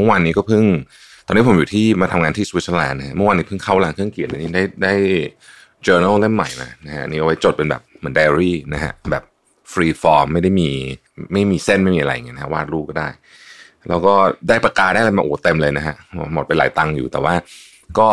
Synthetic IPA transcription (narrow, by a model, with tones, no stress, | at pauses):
mɯ˥˩waː˧nːiː˦˥kɔː˥˩pʰɯ˥˩ŋ | t̪ɔː˧nːi˦˥po˩˦juː˨˩t̪ʰiː˥˩maː˧t̪ʰa˧mŋaː˧t̪ʰiː˥˩su˧w̪̚sʰlɛː˧nnːa˦kʰa˦˥ʔmɯ˥˩waː˧nːiː˦˥ɯ˥˩ŋkʰa˥˩wlaː˧ŋkʰɯ˥˩əŋkʰi˨˩əʔa˧niː˦˥daː˥˩jdaː˥˩j | t͡ɕɤː˧na˥˩lle˥˩mːa̰˨˩jma̰ː˧na˦˥kʰa˦˥ʔa˧niː˦˥ʔa˧wa˦˥jt͡ɕo˨˩t̪̚pe˧nbɛ̰˨˩p̚mɯ˩˦daː˧ɾiː˥˩na˦kʰa̰˦˥ʔbɛ̰ː˨˩p̚ | fɾiː˧fɔː˧mːa˥˩jda˥˩jmiː˧ | ma˥˩jmiː˧se˥˩nma˥˩jmiː˧ʔa˧ɾa˧jŋa˧na˦kʰa˦˥waː˥˩t̪̚ɾuː˥˩kɔː˥˩daː˥˩j | lɛ̰ː˦˥wkɔː˥˩daː˥˩jpɾa˧kaː˧daː˥˩la˧jmaː˧ʔoː˨˩˦t̪e˧mlɤː˧jna˦˥kʰa˦˥ʔmo˨˩pe˧la̰ː˨˦jt̪a˧ŋjṵː˨˩t̪ɛː˨˩waː˥˩ | kɔː˥˩